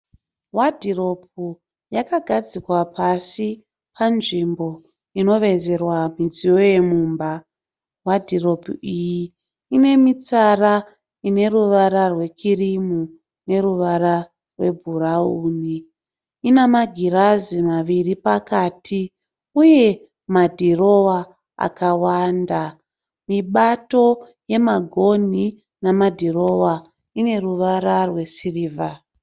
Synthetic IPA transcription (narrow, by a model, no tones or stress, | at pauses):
wadʱiro̞p̚u | jakaɡʱad͡zikwapʰasi | pʰanʐimbo̞ | ino̞ʋe̞ze̞rwamid͡zijo̞je̞muːmba | wadʱiro̞puiji | ine̞mit͡sara | ine̞ruʋaɾarwe̞kʰirimu | ne̞ɾuʋaɾa | rwe̞̰bʱurauːni | inamaɡʱirazimaʋiripakaːtʰi | uje̞ | madʱiro̞wa | a̰kawaːnda | miɓato̞ | je̞maɡʱo̞ni | namadʱiro̞wa | ine̞ruʋaɾarwe̞siriːva